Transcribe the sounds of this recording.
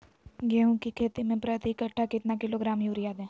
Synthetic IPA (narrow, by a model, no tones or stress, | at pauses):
ɡɛːɦũkikʰeːt̪imẽpɾɐt̪iɪkɐʈʰːakɪt̪nakɪloɡɾaːmjuːɾijaːd̪ɛ̃ː